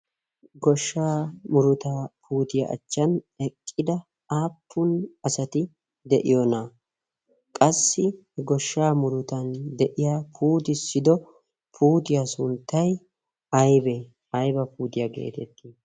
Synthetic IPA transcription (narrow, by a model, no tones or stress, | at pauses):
ɡɔʃːaːmʊɾʊt̪apʰuːt̪ɪjɐ̰ʔɐ̰t͡ʃːɐn | ɛkʼːɪd̪ɐ | aːpʰːʊnɐsɐt̪ɪ | d̪ɛʔɪjona | kʼɐsːɪ | ɡɔʃːaːmʊɾʊt̪ɐnd̪ɛʔɪjaːpʰuːt̪ɪsːɪd̪ɔ | pʰuːt̪ɪjasʊnt̪ːɐj | ɐjbɛ | ɐjbɐpuːt̪ɪjɐɡḛːt̪ɛt̪ːi